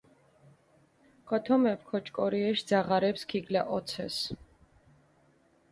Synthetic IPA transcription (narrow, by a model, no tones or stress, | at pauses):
kʰɔt̪ʰɔmɛpʰkʰɔt͡ʃʼkʼɔɾiɛʃd̪z̥aʁaɾɛpskʰiɡla̰ʔɔt̪sʰɛ̰s